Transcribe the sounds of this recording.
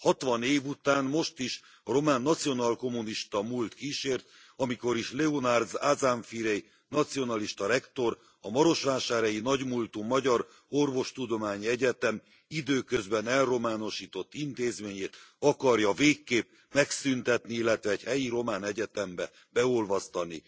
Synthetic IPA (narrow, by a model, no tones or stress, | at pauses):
hɒt̪ʋɒneːvut̪aːnmo̞ʃt̪iʃ | ɒɾo̞maːnːɒt̪sijo̞nalko̞muniʃt̪ɒmult̪kiʃeːrt̪ | ɒmiko̞ɾiʃlɛonard̪zazaɱfiɾej | nɒt̪sijo̞nɒliʃt̪ɒɾɛkt̪o̞ɾ | ɒmɒɾo̞ʃʋaːʃaːɾɒjinɒɟmult̪uːmɒɟɒɾ | o̞rvo̞ʃt̪ud̪o̞maːɲiɛɟɛt̪ɛm | id̪øːkøzbɛnɛlro̞maːno̞ʃiːt̪o̞t̪ːint̪eːzmeːɲeːt̪ɒkɒrjɒveːkːeːp | mɛksynt̪ɛt̪niilːɛt̪ʋɛːɟhɛjiɾo̞maːnɛɟɛt̪ɛmbɛ | bɛolvɒst̪ɒnḭ